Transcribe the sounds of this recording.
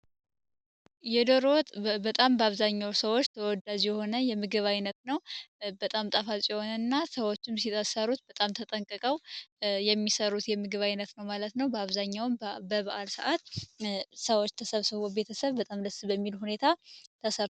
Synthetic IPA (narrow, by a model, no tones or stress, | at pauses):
jɛd̪oɾot̪ʼbət̪ʼambəaβzaɲːawsəwot͡ʃːt̪ʰəwɔd̪ad͡ʒjɛho̞nəjɛmɨɡɨβajnət̪nəwbət̪ʼamt̪ʼəfatʼjɛho̞nənːasəwo̞t͡ʃːɪmsit̪ʰʼəsəɾut̪̚bət̪ʼamt̪ʰət̪ʼəŋkʼɨkʼəwjɛmːisəɾut̪jɛmɨɡɨβajnət̪nəwmalət̪nəwbəaβzaɲːawɨmbəβaʔalsəʔat̪ | səwot͡ʃːt̪ʰəsəβsɨβobe̞t̪ʰəsəβbət̪ʼamd̪əsbəmːilhune̞t̪ʰat̪ʰəsəɾt̪